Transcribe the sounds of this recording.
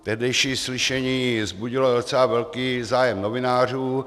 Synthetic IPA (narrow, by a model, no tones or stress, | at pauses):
t̪ɛɦdɛjʃiːslɪʃɛɲiːzbuɟɪlodot͡sɛlavɛlkiːzaːjɛmnovɪnaːr̝uː